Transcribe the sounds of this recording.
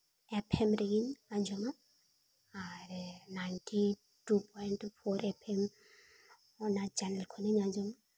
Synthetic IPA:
ɛpʰɛmɾeɡiɲaɲd͡ʒɔma | aɾnajntʰi | tupʰɔjntfɔɾɛpʰɛm | ɔnad͡ʒanɛlkʰɔneɲaɲd͡ʒɔma

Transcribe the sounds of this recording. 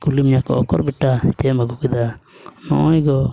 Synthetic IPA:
kulimɲakɔɔkɔɾbiʈːait̪ɛməɡukid̪anɔɔjɡɔ

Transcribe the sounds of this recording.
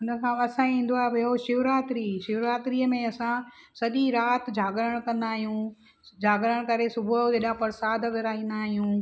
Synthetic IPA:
ʊnə̆kʰãːɐsãĩːn̆d̪oaːɛboʃɪʋɾaːt̪ɾiːʃɪʋɾaːt̪ɾiːəmẽɐsã | sɐɗiɾaːt̪d͡ʑʱaːɡɾəɽ̃kɐ̃nd̪aːɦijũ | d͡ʑʱaːɡɾəɽ̃kɐɾesʊbʱʊeɗapɐɾsaːd̪ʱəʋɐɾaːĩːn̆d̪aːɦijũː

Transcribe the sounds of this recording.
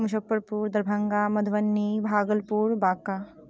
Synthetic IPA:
muʃɐpːəɾpuːɾd̪ɐɾbʱɐŋɡaːmɐd̪ʱʋɐnːibʱaːɡəlpuːɾbaːka

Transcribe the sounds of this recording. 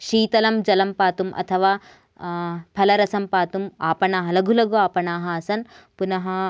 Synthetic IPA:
ʃiːt̪ɐlɐmd͡ʒɐlɐmpaːt̪umʔɐ̰t̪ʰɐʋaː | pʰɐlɐɾɐsɐmpaːt̪umaːpɐɳaːɦɐlɐɡʱulɐɡuaːpɐɳaːɦɐɐsɐn | punɐɦɐ

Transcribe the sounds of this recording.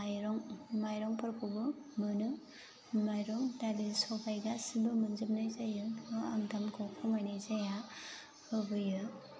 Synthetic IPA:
ajɾɔŋmajɾɔŋpɯɾkʰubɯmɯnɯ | majɾɔŋtalisɔbʰajɡasibɯmɯnzɯmnajzajɯamtamkʰɔkʰɔmajnajzaja | ɯbɯjɯ

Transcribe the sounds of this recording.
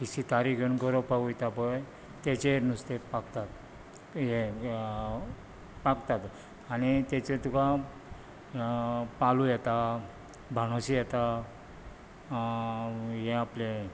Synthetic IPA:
isit̪aɾikənɡɔɾopaɡujt̪apəj | t̪et͡ɕenust̪epakt̪at̪ | ɦe | pakt̪at̪ | anit̪et͡ɕet̪uka | palujɛt̪a | bʱaɽ̃oɕijɛt̪a | jɛ̃aple

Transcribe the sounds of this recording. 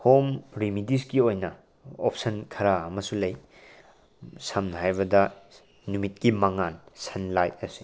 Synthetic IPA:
homɾimidiskiojnɐ | op̚ʰsɐnkʰɐɾaɐmɐsulɐj | samnɐɦajbɐdɐ | numit̚kimɐŋansɐnlajt̚ɐsi̥

